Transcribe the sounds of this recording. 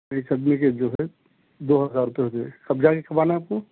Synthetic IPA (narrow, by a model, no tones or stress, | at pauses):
eːkɐd̪miked͡ʒoɦɛ | d̪oːɦɐzaːɾʊpeɦot̪eɦɛkɐb̚d͡ʒaːkekɐmaːnaaːp̚ko